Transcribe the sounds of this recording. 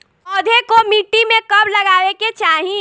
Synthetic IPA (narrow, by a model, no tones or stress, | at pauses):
ɔːd̪ʱekomiʈːimẽkɐblɐɡaːʋeket͡ʃaːɦĩ